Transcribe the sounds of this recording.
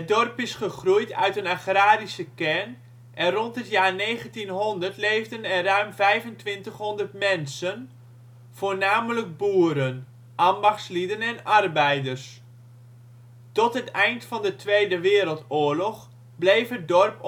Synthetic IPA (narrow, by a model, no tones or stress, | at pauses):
ədɔrpɪsχəχrujtœ̰ɥtənaxraːɾisəkɛrn | ʔɛnrɔntɦətjaːrnejɣəntinɦɔndərtlejvdənɛnrœɥmvɛjvəntʋɪntəχɦɔndərtmɛnsən | v̥oːrnaːmələk̚buːəɾən | ʔɑmbɑxtslidənɛnɑrbɛjdərs | tɔtɦətɛjntfɑndətʋejdəʋɪːɾəlˠtʊːəɹlɔχ | blejfət̚dɔrp